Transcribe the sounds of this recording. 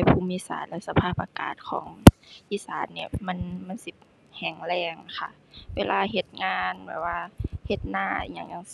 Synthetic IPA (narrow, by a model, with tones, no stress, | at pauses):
a˧˩jpʰuː˧˨miː˧˥˨sa̰ː˨˦nlɛ˧˥sa˧pʰaː˧˩p̚ʔa˧ka̰ː˨˩t̪̚kʰɔ̰ː˩˦ŋʔiː˧˥saː˨˦nni˧˩˨mɛ˧˥˨nma˧˥˨nsi˧ | hɛː˨˩ŋlɛː˧˩ŋna˧˩kʰa̰˧˩ | weː˧lʔaː˧ɦe˧˩t̪̚ŋaː˧nbɛ̰ː˨˩waː˧he˧˩t̪̚na̰ː˧˩˨ɲa˧˩ŋɲa˧ŋ